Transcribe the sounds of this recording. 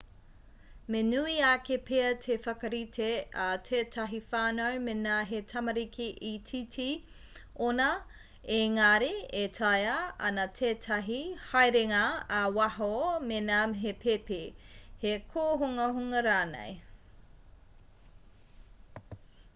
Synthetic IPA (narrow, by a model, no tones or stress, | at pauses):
menuiakepʰeɐtʰefɐkɐɾitʰeatʰeːtʰɐɦifaːnojmenaːɦetʰɐmɐɾikʰiʔitʰitʰi | onɐ | eŋaɾietʰɐjɐɐ̰nɐtʰeːtʰɐɦihɐjɾeŋaːwɐɦomenaɦepʰepehekʰoːɦuŋɐɦuŋɐɾaːnḛj